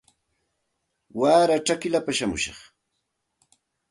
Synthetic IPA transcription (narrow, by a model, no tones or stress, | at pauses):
waɾaʈ͡ʂakɪlapaʃamʊ̰ʃɑ̰χ